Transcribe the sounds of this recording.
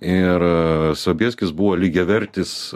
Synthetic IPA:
ɪrsoːbʲiɛsʲkʲɪsbuʋoːlʲiːɡʲɛʋʲɛɾʲt̪ʲɪs

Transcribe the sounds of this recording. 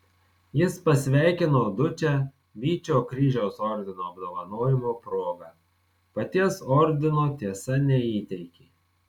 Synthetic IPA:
jɪspɐsʲʋʲæˑɪkʲɪnoːd̪ʊt͡ʃʲæ | ʋʲiːt͡ʃʲoːkɾʲiːʒʲɛʊsɔɾʲd̪ʲɪnoːɐbd̪oːʋɐnoːjɪmoːpɾoːɡɐˑ | pɐt̪ʲiɛsɔɾʲd̪ʲɪnoːt̪ʲiɛsɐnʲɛiːt̪ʲɛɪkʲeː

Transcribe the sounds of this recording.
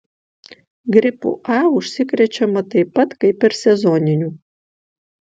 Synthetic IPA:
ɡɾʲɪpṵːʔɑːʊʃʲsʲɪkɾʲɛt͡ʃʲɛmɐt̪ɐɪpːɐt̪kɐɪpʲɛɾsʲɛzɔːnʲɪnʲuː

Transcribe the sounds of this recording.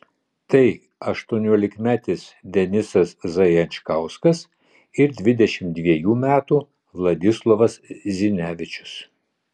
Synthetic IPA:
t̪ɐɪ | ɐʃt̪uɔnʲuːlʲɪkmʲæːt̪ʲɪsd̪ʲɛnʲɪsɐszɐjɛnʲt͡ʃkɑʊskɐs | ɪɾd̪ʲʋʲɪd̪ʲɛʃʲɪm̚d̪ʲʋʲiɛjuːmʲæːt̪uː | ʋlˠɐd̪ʲɪslˠɔʋɐszʲɪnʲæːʋʲɪt͡ʃʲʊ̥s

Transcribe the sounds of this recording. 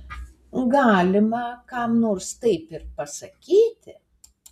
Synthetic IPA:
ɡɑːlʲɪmɐkɑmnoːɾst̪ɐɪpɪɾpɐsɐkʲiːt̪ʲɪ

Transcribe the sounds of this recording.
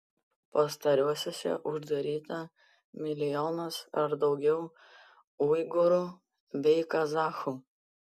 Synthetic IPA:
pɐst̪ɐɾʲuɔsʲosʲɛ̰ʔʊʒd̪ɐɾʲiːt̪ɐ | mʲɪlʲɪjɔːnɐsɐɾd̪ɒʊɡʲɛʊ | uːɪɡʊɾuː | bʲɛɪkɐzɑːxuː

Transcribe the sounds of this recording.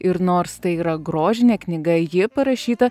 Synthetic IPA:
ɪɾnoːɾst̪ɐɪiːɾɐɡɾoːʒʲɪnʲeːknʲɪɡɐjɪpɐɾɐʃʲiːt̪ɐ

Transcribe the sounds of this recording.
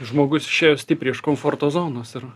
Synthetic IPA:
ʒmoːɡʊsɪ̥ʃʲeːjoːsʲt̪ʲiːpʲɾʲiɪʃkoːmfoːrt̪oːzoːnoːsɪr

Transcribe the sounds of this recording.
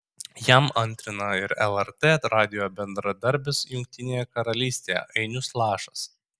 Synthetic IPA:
jæmɐnʲt̪ʲɾʲɪnɐɪɾɛlˠɛɾt̪eɐt̪ɾɑːd̪ʲɪjoːbʲɛnd̪ɾɐd̪ɐɾʲbʲɪsjʊŋʲk̚t̪ʲɪnʲeːjɛkɐɾɐlʲiːsʲt̪ʲejɛ̰ʔɐɪnʲʊslˠɑːʃɐs

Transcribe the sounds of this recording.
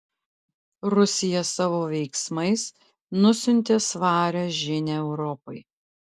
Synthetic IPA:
ɾʊsʲɪjɛsɑːʋoːʋʲɛɪksmɐɪs | nʊsʲʊnʲt̪ʲeːsʋɑːɾʲɛʒʲɪnʲɛɛʊɾɔpɔɪ

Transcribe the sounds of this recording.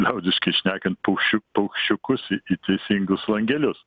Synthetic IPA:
lʲɛʊd̪ʲɪʃkɐɪʃʲnʲæːkʲɛnt̪̚pɐʊkʃʲʊpɐʊkʃʲt͡ʃʲʊkʊsɪit̪ʲɛɪsʲiŋɡʊslˠɐŋʲɡʲɛlʲʊs

